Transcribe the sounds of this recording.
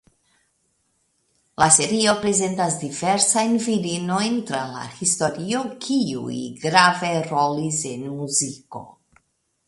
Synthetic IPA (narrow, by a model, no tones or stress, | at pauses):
lase̞ɾio̞pɾe̞ze̞ntas̬diveɾsajnviɾino̞jntɾala̰histo̞ɾio̞kʰiṵjɡɾave̞ɾo̞lise̞nmuziko̞̰